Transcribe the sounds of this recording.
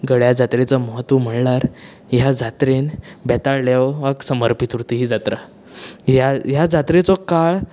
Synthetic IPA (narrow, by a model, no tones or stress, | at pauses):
ɡəɽjad͡zat̪ɾet͡sɔmɔɦət̪ʋum̤əɽlaɾ | jad͡zat̪ɾenbɛt̪aɭljaʋʋaksəməɾpit̪uɾt̪iɦid͡zat̪ɾa | jaɦjad͡zat̪ɾet͡sɔkaɭ